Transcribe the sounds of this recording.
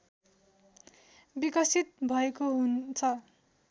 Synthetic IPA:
bikʌsit̪̚bʱʌekoɦunt͡sʰʌ

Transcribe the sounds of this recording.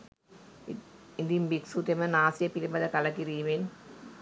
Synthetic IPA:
id̪imbiksut̪emənaːsijəpilebad̪ɐkalɐkiɾiːmen

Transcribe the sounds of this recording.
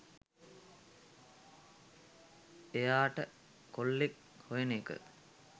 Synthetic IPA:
ejaːʈə | kolːek | hojenekə̰

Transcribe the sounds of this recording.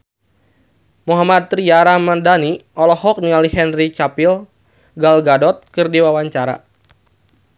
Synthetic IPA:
muɦamat̪ɾiaɾamandaniɔlɔhɔk̚nialihɛnrit͡ʃapil | ɡalɡadɔt̪̚kɨrdiwawaɲt͡ʃaɾa̰

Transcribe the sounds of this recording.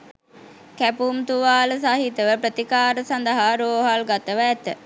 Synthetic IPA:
kæpumt̪uʋaːləsaɦit̪əʋəpɾət̪ikaːɾəsand̪əɦaɾoːɦalɡat̪əʋəæt̪ə

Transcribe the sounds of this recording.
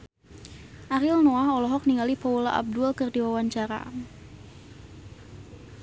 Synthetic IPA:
ʔaɾɪlnoahɔlɔɦɔk̚niŋalipaulaʔa̰b̚dulkərdiwawaɲt͡ʃaɾa̰

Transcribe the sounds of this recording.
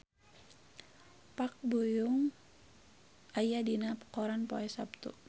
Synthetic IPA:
pak̚bujuŋ | ajadinapkɔɾanpɔɛsapt̪ṵ

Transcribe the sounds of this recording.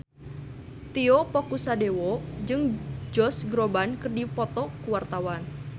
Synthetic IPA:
t̪iɔpɔkusadewɔd͡ʒɨŋd͡ʒɔsɡɾɔbankɨrdipɔt̪ɔkuwart̪awan

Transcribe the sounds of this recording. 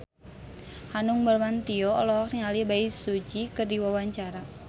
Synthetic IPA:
hanuŋbərmant̪iɔɔ̰lɔɦɔkniŋalibaisud͡ʒikɨrdiwawaɲt͡ʃaɾa

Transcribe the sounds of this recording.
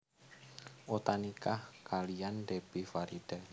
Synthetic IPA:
ʔot̪anikahkalijandeb̥ifaɾid̥a

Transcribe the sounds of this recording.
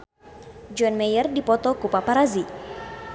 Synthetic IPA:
d͡ʒɔnmɛjərdipɔt̪ɔkupapaɾazi

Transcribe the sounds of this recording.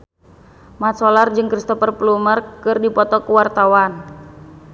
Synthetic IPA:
mat̪̚sɔlard͡ʒɨŋkɾist̪ɔfərplumərkɨrdipɔt̪ɔkuwart̪awan

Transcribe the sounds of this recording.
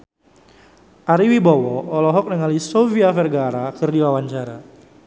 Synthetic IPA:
ʔaɾiwibɔwɔːlɔɦɔk̚nəŋalisoviafɛrɡaɾakərdiwawaɲt͡ʃaɾa

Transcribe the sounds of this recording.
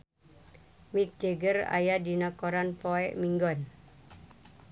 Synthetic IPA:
mik̚d͡ʒ̥eɡəra̰jadinakɔɾanpɔɛʔmiŋɡɔn

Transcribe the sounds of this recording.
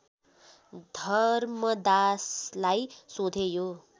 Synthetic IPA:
d̪ʱʌrmʌd̪aslajsod̪ʱejo

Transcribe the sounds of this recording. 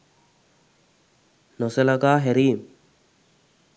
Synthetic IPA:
noselaɡaːɦeɾiːm

